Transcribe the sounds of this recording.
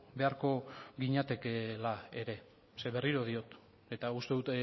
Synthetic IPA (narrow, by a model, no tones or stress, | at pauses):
be̞aɾko̞ɡiɲat̪e̞kelae̞ɾe̞ | seβe̞riɾo̞ð̞io̞t̪ | e̞t̪aust̪e̞ðut̪